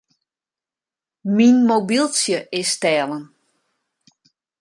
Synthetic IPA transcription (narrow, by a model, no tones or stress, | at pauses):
minmobilˠsjəʔɪstɛːlən